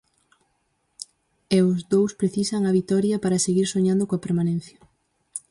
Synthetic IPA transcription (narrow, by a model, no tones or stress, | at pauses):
ɛʊzðowspɾeθisɐŋɐβit̪ɔɾjɐpaɾɐseɣiɾsoɲãnd̪okoapeɾmanẽnθjɐ